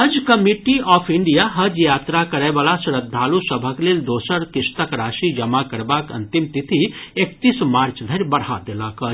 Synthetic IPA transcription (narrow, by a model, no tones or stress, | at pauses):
əd͡ʒkəmiʈiɔpʰiɳɖijaɦəd͡ʒjaːt̪ɾakəɾəbalasɾəd̪ʱːalusəbʱəkleld̪oːsəɾkɪst̪əkɾaːʃid͡ʒəmakəɾbakə̰nt̪imt̪it̪ʰiek̚t̪ismaɾt͡ʃd̪ʱəɾʲbəɽ̤had̪eləkə